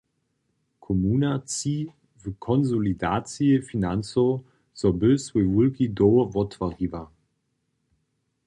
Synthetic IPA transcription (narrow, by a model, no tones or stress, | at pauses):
kʰomunat͡siː | vəkʰɔnzolidaːt͡siəfinant͡so | z̥ɔbøswevulɡidoːvɔtvaɡiva